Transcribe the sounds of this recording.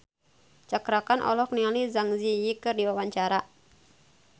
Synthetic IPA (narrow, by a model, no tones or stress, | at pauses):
t͡ʃakɾakanʔɔ̰lɔk̚nializaŋzijikɨrdiwawaɲt͡ʃaɾa